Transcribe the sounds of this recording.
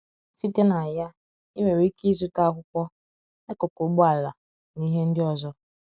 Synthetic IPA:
si˦te˦na˨ja˦ | i˦me˨ɾi˨˦ki˦zu˦ta˦kʷʊ˦kʷɔ˦ | e˦kʊ˨kʊ˨˦ɡ͡bʊ˦a˨la˨ | ni˦ɦe˦n̩˦dɪ˦ɔ˦zɔ˦

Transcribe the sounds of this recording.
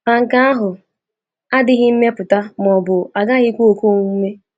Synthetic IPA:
ma˨ŋ̩˨ka˦a˦ɦʊ˨ | a˦dɪ˦ɣɪ˦m̩˦me˦pʊ˨ta˦m˨ɔ˨bʊ˨a˨ɡa˦ɣɪ˦kʷu˦o˨ko˦˨ŋu˦me˦

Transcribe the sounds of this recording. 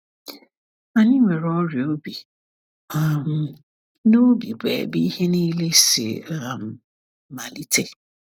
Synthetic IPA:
a˨nɪ̃˦mɛ˨ɾɔ˦ɾɪ˨o˦bi˨ | a˨m | nõ˦o˦bi˨bɛ̰˨bi˦hɛ˦nʊ̃˦i˦le˦sḛ˨a˨m˨ | ma˨li˦tʰe˦

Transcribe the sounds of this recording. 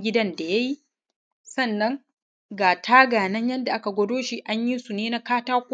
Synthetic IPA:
ɡʲɪ˦dɐ˦nda˨ja˦ji˦ | sɐ˦˨nːɐ˦ŋ | ɡaː˨tʰaː˦ɡaː˨nɐ˦ɲjɐ˦nda˨ʔa˦ka˨ɡʷɔ˦doː˦ʃi˦ʔa˦ɲji˦su˨neː˦na˦kaː˦taː˦kʷː

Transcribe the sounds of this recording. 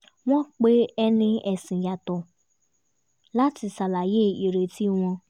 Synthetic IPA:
w̃ɔ̃˦k͡pe˦ɛ˧nĩ˧ɛ˨sĩ˨ja˨tɔ˨ | la˦ti˧sa˨la˨je˦˨i˨ɾe˨ti˦w̃ɔ̃˧

